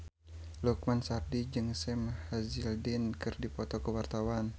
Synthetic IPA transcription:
luk̚mansardid͡ʒɨŋsɛmhazɪldɛnkɨrdipɔt̪ɔkəwart̪awan

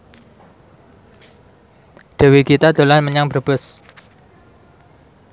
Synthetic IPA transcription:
ɖ̥ə̤wikit̪ad̪̥o̤lanməɲaŋb̥ərb̥ʊs

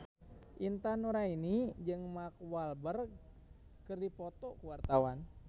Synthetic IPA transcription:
ʔint̪anuɾainid͡ʒɨŋmak̚walbər | kɨrdipɔt̪ɔkuwart̪awan

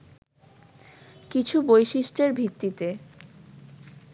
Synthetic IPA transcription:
kit͡ɕʰubojʃiʃʈeɾbʱit̪ːit̪e

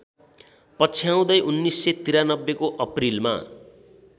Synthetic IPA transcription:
pʌt͡sʰjaw̃d̪ʌjʔunːisːet̪iɾanʌbːekoʔʌprilma̰

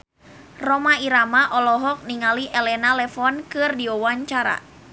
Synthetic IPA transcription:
rɔmaiɾamaʔɔlɔɦɔk̚niŋaliʔɛlɛnalɛfɔnkɨrdiɔwaɲt͡ʃaɾa̰

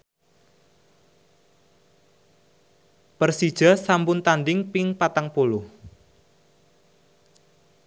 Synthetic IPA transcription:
pərsid̥ʒ̥a̤sampʊnt̪anɖɪŋpɪŋpat̪aŋpolʊh

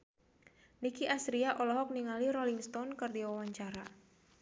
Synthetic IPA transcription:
nikiʔasɾiaʔɔlɔɦɔk̚niŋaliɾɔliŋst̪ɔnkɨrdiwawaɲt͡ʃaɾa̰

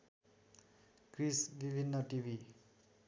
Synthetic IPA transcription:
ɡɾisbibʱinːʌʈibʱi

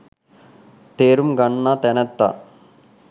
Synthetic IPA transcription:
t̪eːɾumɡɐɳːaːt̪ɛnɐt̪ːa̰ː

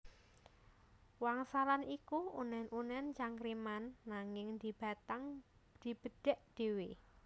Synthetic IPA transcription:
waŋsalanikuunɛnʔunɛnt͡ʃaŋkɾimanːaŋɪŋd̪i̤b̥a̤t̪aŋ | d̪̥i̤b̥əɖ̥ɛ̤ʔd̪̥ewe

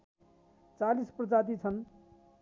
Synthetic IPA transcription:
t͡salisprʌd͡zad̪it͡sʰʌn

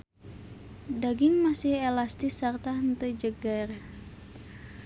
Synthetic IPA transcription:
daɡiŋmasihɛlast̪isərt̪aɦənt̪əd͡ʒəɡər

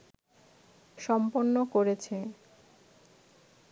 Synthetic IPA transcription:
ʃɔmponːokoɾet͡ɕʰe

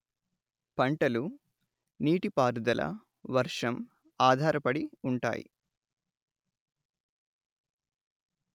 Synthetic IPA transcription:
pɐɳʈɐlu | niːʈipaːɾud̪ɐlʔɐ̰ | ʋɐɾʂɐm | aːd̪ʱaːɾɐpɐɽiuɳʈa̰ːjḭ

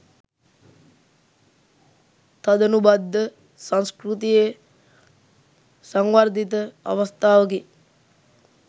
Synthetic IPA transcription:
t̪ad̪ənubad̪ːə | saŋskrut̪̬ije | saŋʋard̪it̪əa̰ʋast̪aːʋək̬i

